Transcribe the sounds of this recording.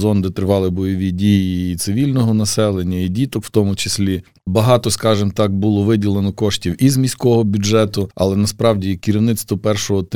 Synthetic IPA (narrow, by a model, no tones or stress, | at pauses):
zɔnd̪ɪt̪ɾɪʋɑlˠɪbɔjɔʋʲidʲijiːt̪sɪʋʲilʲnɔɦɔnɐsɛlˠenʲːɐidʲit̪ɔkw̥t̪ɔmʊt͡ʃɪ̥sʲlʲi | bɐɦɑt̪ɔskɑʒɪmt̪ɑk̚bulˠɔʋɪdʲilˠenɔkɔʃtʲiwizmʲisʲkɔɦɔbʲʊdɛt̪ʊɐ̰lˠɛnɐspɾɑwdʲikʲiɾʲiwnɪt̪st̪ʋɔpɛrʃɔɦɔt̪